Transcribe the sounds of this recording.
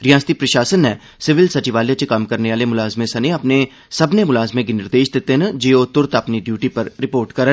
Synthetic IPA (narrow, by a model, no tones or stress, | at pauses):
ɾɪjãːst̪ipɾɐʃaːsənːɛ̃ː | sɪʋɪlsɐt͡ʃɪʋaːljat͡ʃekɐmkɐɾneʋaːlemʊlaːzmẽsɐneɐpne | sɐbnemʊlaːzmẽkinɪɾd̪eːʃd̪ɪt̪eɦnəd͡ʒeːot̪ʊɾt̪ɐpniɖjuːʈipɐɾɾɪpoːɾʈkɐɾə